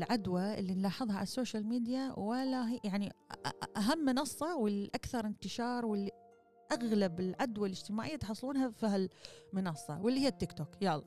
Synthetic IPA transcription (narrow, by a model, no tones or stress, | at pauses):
lʕad̪waʔɪ̰lːinlɑːħɨðˤhɑʕa̰lasːoːʃalmiːd̪jawɪlːaɦijaʕniʔaɦamːɪnɑsˤːɑwɪlʔakθɑɾˤɪnt̪ɪʃɑːɾˤwɪlːi | ʔaɣlabɪlʕad̪walɪd͡ʒt̪ɪmaːʕɪjːat̪ħɑsˤːluːnhafiɦalmɪnɑsˤːɑ̰wɪlːihɪjːat̪ːɪkt̪oːkjɑlː